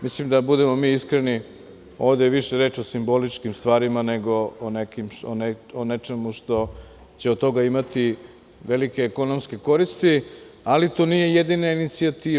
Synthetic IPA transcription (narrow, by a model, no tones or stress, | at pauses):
mislimd̪abud̪e̞mo̞miːiskɾeni | o̞ːʋd̪eʋiʃeɾeːt͡ʃo̞simbo̞lit͡ʃkimst̪ʋaːɾimaneɡo̞ːnekimoneonet͡ʃemuʃt̪o̞ | t͡ɕeot̪ːo̞ɡaimat̪i | ʋelike̞ːko̞nomske̞ko̞ɾist̪i | alit̪oːnije̞jed̪inainit̪siat̪iː